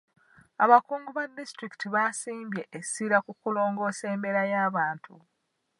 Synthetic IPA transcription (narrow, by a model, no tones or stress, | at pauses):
aβakuːŋɡuβadːistɾiki̥tiβasiːmbje̞ʔesiɾakukulo̞ːŋɡo̞ːse̞ːmbe̞ɾajaːβaːntʰṵ